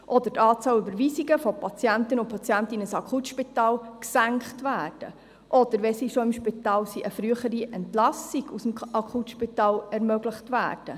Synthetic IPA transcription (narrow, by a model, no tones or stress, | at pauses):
ʔɔd̪ətɑːt͡sɑwlybəɾʋiːsiɡəfɔpʰɑt͡sjæntənʊpʰɑt͡sjæntɪnəsɑkʰχutʃpitɑːlksæŋkχtʋæːɾd̥ə | ʔɔd̪̥əɾʋɛsiːʃoɪmʃpitɑːlsiʔəfɾyːəχəɾiʔɛntlɑsiɡusm̩ʔɑkʰutʃpitɑːlɛɾmœɡləχtʋæ̰ːrd̥ə